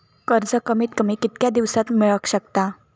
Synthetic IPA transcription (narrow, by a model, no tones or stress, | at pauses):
kəɾd͡zəkəmiːt̪kəmikit̪kjad̪iʋsat̪miɭəkɕək̚t̪a